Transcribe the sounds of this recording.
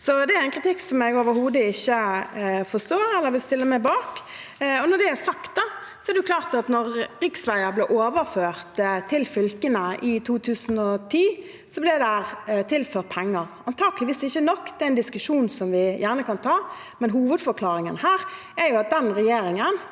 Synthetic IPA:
sɔd̪ɛæɾɛɪnkʰɾɪt̪ʰɪkːsɔmɛɡoːʋəɾhuːd̪əɪçːəfɔst̪oːɾɛlːəɾʋɪlst̪ɪlːəɾmæɪbɑːk | ɔnɔɖ̪ɛæsɑkt̪̚d̪ɑsɔɛɾdɛjʊkʰlɑːʁt̪ɑt̪nɔɾɾɪksʋæɪəɾblɛːʔoːʋəɾføːɾt̪t̪ʰːɪlfʏlkənəʔɪt̪ʰuːt̪ʰʉːsn̩ɔt̪ʰiː | sɔblɛd̪ɛhæʁt̪ʰɪlføːʁt̪̚pʰɛŋːəɾɑnt̪ʰɑːɡəlɪʋiːsɪçːənɔkːd̪ɛæɪnd̪ɪskʉʂuːnsɔmʋɪjæːʁnəkɑnt̪ʰɑː | mɛnɦuːʋəd̪fɔɾkʰlɑːɾɪŋənhæːɾ | æɾjʊɑt̪̚d̪ɛnɾɛjeːɾɪŋən

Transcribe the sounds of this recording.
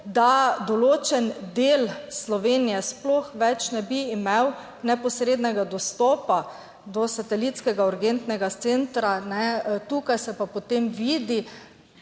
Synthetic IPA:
d̪ad̪ɔloːt͡ʃɛnd̪eːlslɔʋeːnijɛsploxʋɛt͡ʃnɛbiːmew | nɛpɔsɾeːd̪nɛɡad̪ɔst̪ɔːpa | d̪ɔsat̪ɛlit̪skɛɡauɾɡent̪nɛɡat̪sent̪ɾanɛt̪ukajsɛpapot̪emʋiːd̪i

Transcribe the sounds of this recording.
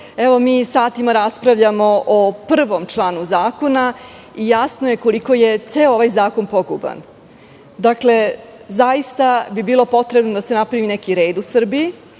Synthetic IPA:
eʋo̞miːsaːt̪imaɾaspɾaʋʎamo̞ʔopr̩ʋo̞mt͡ʂlˠaːnuzaːko̞na | ijasnoje̞ko̞liko̞jet̪seːooʋajzaːko̞npo̞ɡṵba̰n | d̪akle̞zajist̪abibiːlˠo̞po̞t̪ɾebnod̪ase̞napɾaʋinekiɾe̞ːd̪usr̩bii

